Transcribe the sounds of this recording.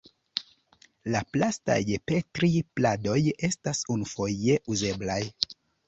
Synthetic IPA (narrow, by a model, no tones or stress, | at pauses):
laplasta̰jpe̞tɾiplado̞je̞stasunufo̞je̞ʔuze̞blaj